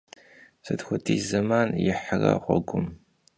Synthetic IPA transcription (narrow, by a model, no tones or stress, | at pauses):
sɨdxʷʊtʰʼiːzɐmaːnjɪħərɐ̰χʷɔɡʷʊm